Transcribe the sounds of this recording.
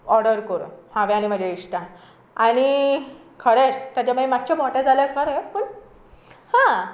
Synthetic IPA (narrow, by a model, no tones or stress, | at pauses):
ɔɾɽəɾkəɾṵhãʋeaɽ̃im̤əd͡ʑʱeiɕʈa | aɽ̃i | kʰəɽeɾt̪jat͡ɕamaimad͡ʑ̚t͡ɕʰamɔʈed͡zalekʰəɽepuɳ | hã